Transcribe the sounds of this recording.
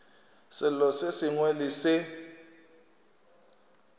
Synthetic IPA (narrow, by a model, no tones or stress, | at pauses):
sɪlɔsesiŋwelisɪ